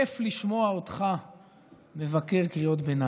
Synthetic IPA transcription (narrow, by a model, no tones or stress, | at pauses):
efliʃmo̞aotχa | me̞vake̞ʁkʁio̞t̪bena